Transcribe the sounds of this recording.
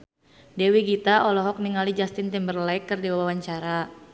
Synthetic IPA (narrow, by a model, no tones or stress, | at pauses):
dewiɡit̪aʔɔlɔɦɔk̚niŋalid͡ʒast̪ɪnt̪imbərlaikːɨrdiwawawaɲt͡ʃaɾa